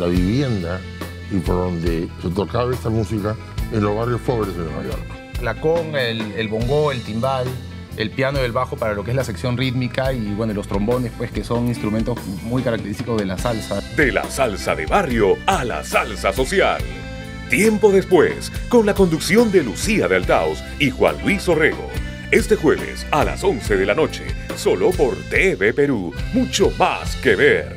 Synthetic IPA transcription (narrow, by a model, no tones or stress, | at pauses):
laβiβje̞nd̪a | ipoɾðond̪eset̪o̞kaβaest̪amusika | enlo̞zβarjospoβɾezðema̰jo̰ɾkḁ | klakoŋelelβo̞ŋɡoe̞lt̪imdal | elpjanoðe̞lβaxo̞paɾalo̞keezlaseksjo̞nrit̪mikaiβwe̞nolo̞st̪ɾo̞mbo̞nespwe̞ske̞so̞ŋinst̪ɾument̪ozmujkaɾak̚t̪eɾist̪iko̞zðe̞lasalsad̪ela̰salsaðeβarjo̞ala̰salsaso̞sja̰l | t̪je̞mpo̞ðespwḛsko̞nlako̞nd̪uksjo̞nd̪e̞lusiaðealt̪a̰ws | ixwa̰nlwiso̞reɣo̰ | e̞st̪e̞xwe̞βe̞̰sala̰so̞nseðe̞lano̞t͡ʃḛso̞lopo̞ɾt̪eβepeɾumut͡ʃo̞ma̰skeβeɾ